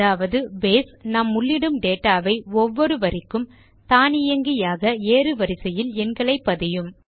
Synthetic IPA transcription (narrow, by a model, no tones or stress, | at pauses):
aːʋɐðɯbeːsnɐmːʊɭːɪɽɯmɖeːʈːaːʋɐɪɔʋːɔɾɯʋɐɾɪkːɯm | t̪aːnɪjɐŋɡɪjaːɣɐeːɾɯʋɐɾɪsɐjɪlɛnɡɐɭɐɪpːɐðɪjɯm